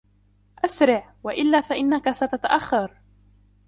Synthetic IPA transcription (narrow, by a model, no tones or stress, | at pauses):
ʔasɾɪʕwaʔɪlːaːfaʔɪnːakasat̪at̪aʔaxːɑɾˤ